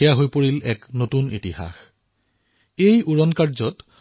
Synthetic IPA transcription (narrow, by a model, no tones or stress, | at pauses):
ijaɦojpoɹilɛknotunitiha̰x | ejuɹɔnkaɹzɔt